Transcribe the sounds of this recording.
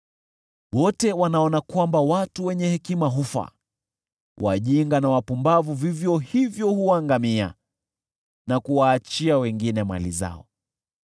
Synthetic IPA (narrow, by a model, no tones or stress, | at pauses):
wɔtɛwanaɔnakwambawatuwɛɲɛhɛkimaɦufa̰ | wʔa̰ʄiŋɡanawapumbavuvivjɔhivjɔhuwaŋɡamia̰ | nakuwaːt͡ʃiawɛŋɡinɛma̰liza̰ɔ̰